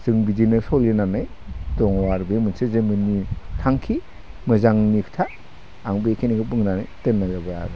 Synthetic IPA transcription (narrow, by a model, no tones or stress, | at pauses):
sɯŋbidinɯsɔlinanajdɔŋwaɾbemɯnsezemɯnitʰaŋkʰi | mɯzaŋni̥tʰa | aŋbekʰeniɡɯp̬ɯŋnanajtɯnːazabaja̰ɾɯ